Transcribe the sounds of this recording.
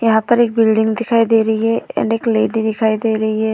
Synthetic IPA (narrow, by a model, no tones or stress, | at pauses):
jəɦãːpəɾɪk̚bɪlɖɪ̃ŋɡd̪ɪkʰaːiːd̪eːɾəiɦɛːɛ̰nɖekleːɖiːd̪ɪkʰaːid̪eːɾəɦiːɦɛː